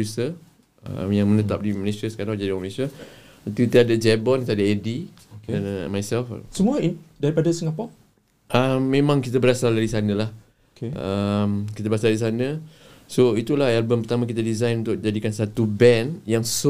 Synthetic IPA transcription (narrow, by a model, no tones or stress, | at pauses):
usə | ə̰mjaŋmə̃nət̪ap̚diməlesəsə̥kaɾad͡ʒadimlesə | t̪kit̪əadad͡ʒɛbɔnkit̪adaedi | kɛnmajsɛlfsəmuaidaɾipadasəŋapa | ʔəmːẽmãŋkit̪abəɾasaldaɾisanə̃lah | keəmkit̪əbəɾasadais̬anə̃ | soit̪ulahjalbəmpərt̪amak̬it̪adizajnunt̪ʊk̚d͡ʒadikansat̪ubɛnjaŋs